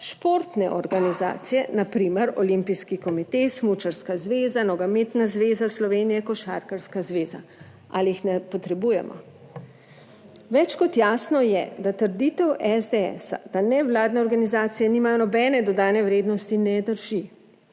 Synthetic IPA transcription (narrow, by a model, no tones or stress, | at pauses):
ʃpoːɾt̪nɛ̰ʔɔɾɡaniza̰ːt̪sijɛnapɾiːməɾɔlimpijskikɔmit̪esmut͡ʃaɾskazʋeːzanɔɡamet̪nazʋeːzaslɔʋeːnijɛkɔʃa̰ɾkəɾskazʋeːza̰ | ʔaliixnɛpɔt̪ɾɛbujɛ̰mʔɔ̰ | ʋɛt͡ʃkɔt̪jaːsnɔjɛ̰d̪at̪əɾd̪iːt̪ɛwʔɛzd̪eɛ̰sa̰d̪anɛʋlaːd̪nɛɔɾɡanizaːt̪sijɛnimajɔnɔbɛːnɛd̪ɔd̪aːnɛʋɾeːd̪nɔst̪inɛd̪əɾʒi